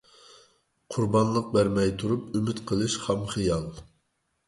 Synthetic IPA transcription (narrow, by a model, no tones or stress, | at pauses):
qʰuɾbɑnlˠəq̚bæɾmɛjt̪ʰuɾupymɪt̪qʰəlˠɨʃχɛmχɨjɑlˠ